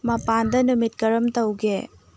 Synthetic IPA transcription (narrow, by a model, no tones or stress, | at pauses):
mɐpandɐnumit̚kɐɾɐmtɐwɡe